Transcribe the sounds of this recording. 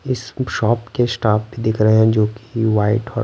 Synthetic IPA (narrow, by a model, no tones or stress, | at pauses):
ɪsʃɔːpkesʈaːfbʱid̪ɪkʰɾɐɦeɦɛ̃d͡ʒoːki̥ʋaːɪʈɔː